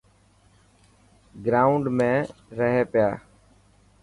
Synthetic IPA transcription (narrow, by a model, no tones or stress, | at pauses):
ɡɾaːʊɳɖmẽːɾəɦeːpɪjaː